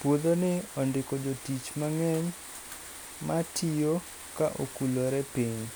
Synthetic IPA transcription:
pwod̪onɪɔndɪkod͡ʒotit͡ʃmaŋɛɲ | matʰijo | kaʔo̰kuloɾɛpiɲ

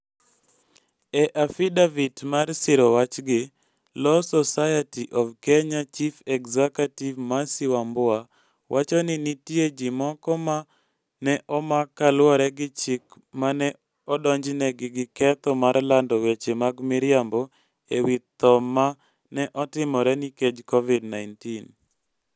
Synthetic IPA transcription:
ɛʔafidavitmarsɪɾɔwat͡ʃɡɪ | lɔsɔsajatiʔɔvkɛɲat͡ʃifɛkzɛkativmasɪwambʊa | wʔat͡ʃɔnɪnitjed͡ʒɪmɔkɔma | nɛʔɔmakːalwɔɾɛɡɪt͡ʃɪk | manɛ | ɔdɔɲd͡ʒnɛɡɪɡɪkɛt̪ɔmaɾlandɔwet͡ʃemaɡmiɾɪambɔ | ewit̪ɔma | nɛʔɔtɪmɔɾɛniked͡ʒkɔvidnaɪntin

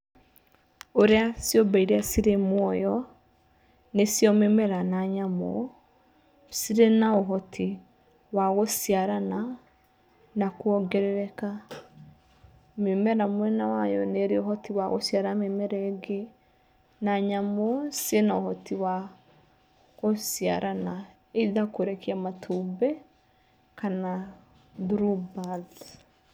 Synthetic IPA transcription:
oɾeasjɔbaiɾeasiɾemwɔjɔ | nesiɔmemɛɾanaɲamo̰ | siɾenaoɦɔtʰi | waɣosiaɾana | nakwɔɡɛɾɛɾɛka | memɛɾamwɛnawajɔneɾeoɦɔtiwaɣo̰sjaɾamemɛɾɛɡe | naɲamosienaohɔtiwa | ɣosjaɾʔana | eiðakoɾɛkiamatʰubɛ | kana | ðuɾubað

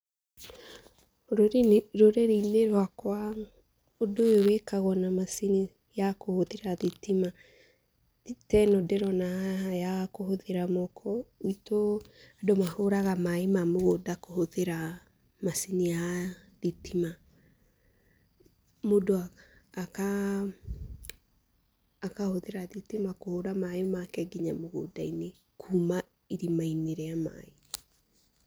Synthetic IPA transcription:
ɾoɾenɾoɾeɾiineɾwakwa | odojowekaɣɔnamasini | jakohoðeɾaðitima | tɛnɔdɛɾɔnajakoɦoðeɾamɔkʰɔitoadomahoɾaɣamaemamoɣodakohoðeɾa | masinia | ðitima | modoaːka | kahoðeɾaðitimakohoɾamaemakɛɡiɲamoɣo̰daine | kʰuːma | iɾimaineɾeama̰e

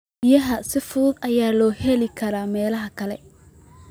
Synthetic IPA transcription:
ɪjɐɦɐsɪfʊðʊdɐjaːlɔːhɛlɪkʰɐɾaːmɛːlɐɦɐkʰɐlɛ

